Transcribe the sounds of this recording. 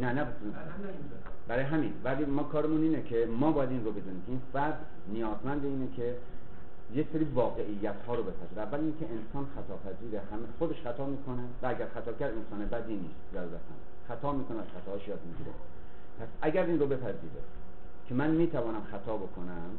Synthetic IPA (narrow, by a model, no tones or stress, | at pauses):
nænæ | bæɾːjeɦæminbælimɒːkʰɒːɾemuniːnekʰemɒːbɒːjæd̪inrobe̞d̪unimkʲʰeinfæɾd̪ | nijɒːzmænd̪eiːnekʰe | jekseɾiːvɒːɣeʔijːæt̪ʰhɒːɾobe̞pʰæziːɾeævːæliːnekʰʲeʔensɒːnxæt̪ʰɒːpʰæziːɾeɦæmxod̪eʃxæt̪ʰɒːmiːkʰonevææɟæɾxæt̪ʰɒːbkʰʲæɾd̪ensɒːnebæd̪iːniːst̪zæɾuɾæ̰sæ̰n | xæt̪ʰɒːmiːkʰo̞neæz̥xæt̪ʰɒːhʃjɒːd̪miɡiːɾḛ | pʰæsæɡæɾiːnrobe̞pʰæziːɾḛ | kʲʰe̞mænmiːt̪ʰævɒːnæmxæt̪ʰɒːbo̞kʰonæm